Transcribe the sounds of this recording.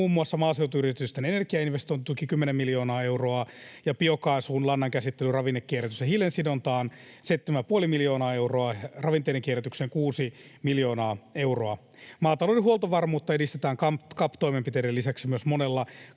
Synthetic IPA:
uːmːuɑsːɑmɑːsewt̪uyrit̪yst̪enenerkiɑinʋest̪oint̪t̪ukikymːenemːiljo̞ːnɑːe̞uroɑjɑpiokɑisuːnlɑnːɑŋkæsit̪ːelyrɑʋinːekːieɾæt̪ysehilensidont̪ɑːn | se̞it̪ːemæpuolimiljo̞ːnɑːe̞uwroɑrɑʋint̪eideŋkieɾæt̪ykseːŋkuːsi | miljo̞ːnɑːeuro̞ɑ | mɑːt̪ɑlodɦuolt̪oʋɑrmuːt̪ːɑedist̪et̪æːŋkɑmpkɑpt̪oimempit̪eɾelːisæksimyøsmonelːɑ

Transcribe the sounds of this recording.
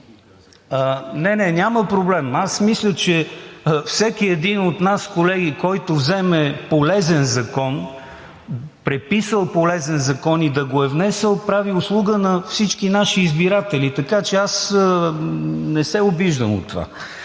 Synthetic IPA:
ənɛnɛnʲaməpɾoblɛmasmislʲət͡ʃɛfsɛkiɛd̪inot̪naskolɛɡ̟ikɔjt̪ovzɛmɛpolɛzɛnzɐkɔn | pɾɛpisəlˠpolɛzɛnzɐkɔnid̪ɐɡoɛvnɛsəlˠpɾaviʊslˠuɡənɐfsit͡ʃkinaʃiːzbiɾat̪ɛlit̪ɐkat͡ʃɛasə | nɛsɛʊbiʒd̪əmo̰t̪ːva̰

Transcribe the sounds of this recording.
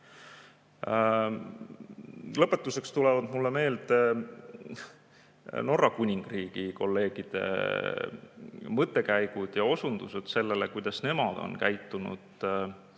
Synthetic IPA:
lɤpːˑe̞t̪ːˑuse̞kst̪ulevɑd̪mulːeme̞ːld̪ | no̞rːɑkunʲiŋɡ̥riːɡ̥iko̞lːe̞ːɡ̥id̪̥e̞̰ | mɤt̪ːˑe̞kæjɡ̥ud̪̥jɑo̞sund̪̥used̪̥se̞lːelekujd̪̥ɑsne̞mɑd̪̥o̞̰nkæjt̪ːˑunṵd̪̥

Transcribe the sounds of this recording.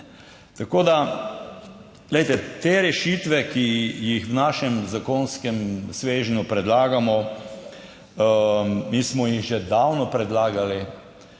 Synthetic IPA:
t̪akoːd̪a | ɡlɛjt̪ɛt̪eːɾɛʃiːt̪ʋɛkijixwnaːʃɛmzakoːnskɛmsʋeːʒnjupɾɛd̪laːɡamɔ | miːsmɔjiɣʒɛd̪awnɔpɾɛd̪laːɡali

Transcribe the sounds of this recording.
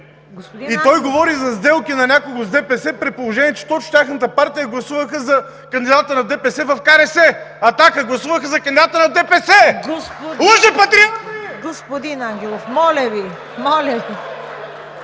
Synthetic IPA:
ɡit̪ɔjɡovɔɾizɐzd̪ɛlˠkinɐnʲakoɡozd̪ɛpɛsɛpɾɛt̪̚polˠoʒɛnʲiɛt͡ʃɛ̥t̪ɔt͡ʃt̪ʲaxnət̪əpaɾt̪ijəɡlˠɐsuvəxəzɐ | kɐnd̪id̪at̪ənɐd̪ɛpɛsɛvɐfkaɾɛsɛɐt̪akəɡlˠɐsuvəxəzɐkɐnd̪id̪at̪ənɐd̪ɛpɛsɛ | lˠəʒɛpɐt̪ɾiakɡospod̪inaŋɡʲɛlˠofmɔlʲɐvi | mɔlʲɐi

